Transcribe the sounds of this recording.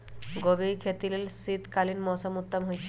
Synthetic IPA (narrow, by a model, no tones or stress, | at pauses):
ɡobikʰet̪ilelsit̪kalinmɔsɔmut̪ːɔmɦojt͡ʃʰ